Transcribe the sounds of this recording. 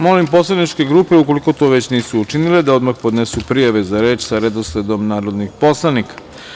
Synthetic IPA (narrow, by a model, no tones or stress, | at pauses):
mo̞limpo̞slˠanit͡ʃke̞ɡɾuːpe̞ukoliko̞t̪o̞ʋe̞t͡ɕniːsuːt͡ʃiniled̪ao̞d̪maxpod̪nesupɾijaʋe̞zaɾe̞ːt͡ʃsaɾed̪osled̪o̞mnaːɾod̪nixpo̞slˠanikḁ